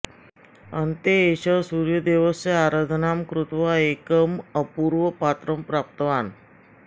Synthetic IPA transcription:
ənt̪eːɕəsuɾjəd̪eʋəseaɾad̪ʱənamkɾut̪ʋaekəməpuɾʋəpat̪ɾəmpɾap̚t̪əʋan

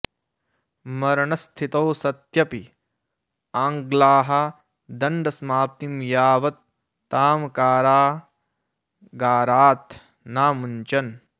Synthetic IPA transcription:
mɐɾɐɳɐst̪ʰit̪ɐwsɐt̪jɐpi | aːŋɡlaːɦɐ | d̪ɐɳɖɐsmaːp̚t̪imjaːʋɐt̪ː | aːmkaːɾaː | ɡaːɾaːt̪ | naːmuɲt͡ʃɐn

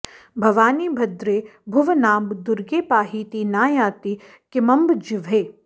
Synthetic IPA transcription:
bʱɐʋaːniːbʱɐd̪ɾeːbʱʊʋnaːmbd̪ʊɾɡeːpaːɦiːt̪iːnaːjaːt̪i | kɪmɐmbd͡ʒɪʋʱeː

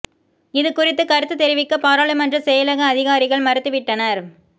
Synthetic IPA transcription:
ɪðɯkʊrɪt̪ːɯkɐɾɯt̪ːɯt̪ːɛɾɪʋɪkːɐpaːɾɐːlɐmɐndrɯsɛjɐlɐɣɐːðɪɣaːɾɪɣɐɭmɐɾɯt̪ːɯʋɪʈːɐnɐɾ

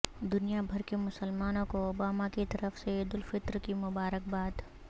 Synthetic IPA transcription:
d̪ʊnijabʱɐɾkemʊsəlmaːnõkoobaːmakit̪ɐɾəfseeːd̪ʊlfɪt̪ɾkimʊbaːɾək̚baːd̪

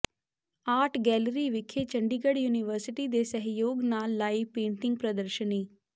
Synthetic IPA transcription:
aːʈʰɡɛːlɾiːʋɪkʰːeːt͡ʃəɳɖiːɡəɽjuːnɪʋəɾsɪʈiːd̪eːsəɦjoːɡnaːlːaːiːpẽːɳʈɪ̃ŋɡ̚pɾəd̪əɾʃəniː

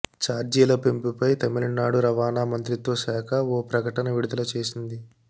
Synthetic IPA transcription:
t͡ʃaːɾd͡ʒiːlɐpe̞mpupɐjt̪ɐmilinːaːɽuɾɐʋaːnaːmɐnt̪ɾit̪o̞ːʃaːkʰɐoːpɾɐkɐʈɐnɐʋiɽud̪ɐlɐt͡ʃe̞ːsind̪i

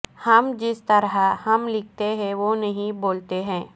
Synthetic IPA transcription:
hɐmd͡ʒɪst̪ɐɾɦahɐmlɪk̚ʰt̪eɦɛ̃ʋonɐɦĩboːlt̪eɦɛ̃ː

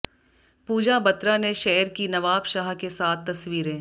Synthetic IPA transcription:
puːd͡ʒabɐt̪ɾanẽʃɛːɾkinɐʋaːbʃaːɦkesaːt̪ʰːɐsʋiːɾẽː

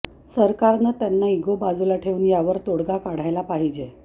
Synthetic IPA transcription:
səɾkaɾnət̪janːaiɡobad͡zulaʈʰeuːnjaʋəɾt̪oɽɡakaɽ̤ajlapaɦid͡ʑe

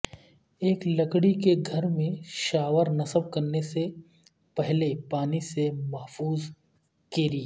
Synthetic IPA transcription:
eːklɐkɽikeɡʱɐɾmẽʃaːʋəɾnɐsəb̚kɐɾnese | pɛɦlepaːnisemɐɦfuːz | keːɾi

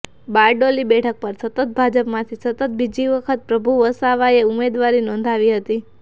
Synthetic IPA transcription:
baɾɖolibɛʈʰək̚pəɾsət̪ət̪̚bʱad͡ʒəpmãt̪ʰisət̪ət̪̚bid͡ʒiʋəkʰət̪̚pɾəbʱuʋəsaʋaeʊmed̪ʋaɾinɔ̃nd̪ʱaʋiɦət̪i

